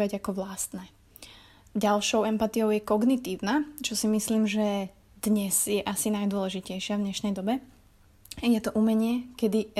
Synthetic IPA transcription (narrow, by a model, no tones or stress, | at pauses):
aɟakɔʋlast̪nɛː | ɟalʃɔʊɛmpat̪ijɔʊjɛkɔɡnit̪iːʊnat͡ʃɔsimisliːmʒɛ | d̪̥ɲɛz̥jɛʔasinajd̪ʊɔlɛʒicɛjʃɪavd̪ɲɛʃnɛjd̪ɔbɛ | jɛt̪ɔʔumɛɲɪɛkɛd̪i